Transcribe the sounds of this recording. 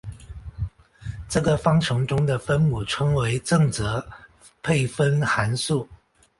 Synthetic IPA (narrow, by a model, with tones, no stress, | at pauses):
ʈ͡ʂɤ˥˩ɡə˩fɑ˥ŋʈ͡ʂʰɤ˧˥ŋʈ͡ʂʊ˥ŋd̪ə˨fə˥nmu˨˩ʈ͡ʂʰɤ˥ŋwe˧˥ɪʈ͡ʂɤ˥˩ŋt͡sɤ˧˥ | pʰe˥˩ɪfə˥nxa˧˥nsu˥˩